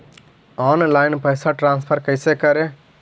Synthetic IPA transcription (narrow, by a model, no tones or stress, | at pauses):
ɔːnlaːjnpɐjsaʈɾãːnspʰəɾkəjsekɐɾe